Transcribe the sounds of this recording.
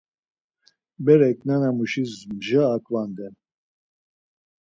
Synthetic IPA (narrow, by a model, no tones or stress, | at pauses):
bɛɾɛkʼnanamuʃizmʒaːkʼvand̪ɛn